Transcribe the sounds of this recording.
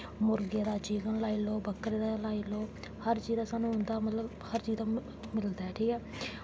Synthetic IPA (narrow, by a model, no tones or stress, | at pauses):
mʊɾɡjaːd̪aːt͡ʃiːkənlaːiːloːbəkɾeːd̪alaːiːloː | həɾt͡ʃiːd̪aːsaːnũːʊnd̪aːmələb | həɾt͡ʃiːd̪aː | mɪld̪aːɛːʈʰiːkɛː